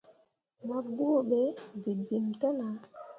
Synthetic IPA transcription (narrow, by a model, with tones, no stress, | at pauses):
ma˨bu˦o˦˨ɓe˨˦bi˨bi˨mta˦na˨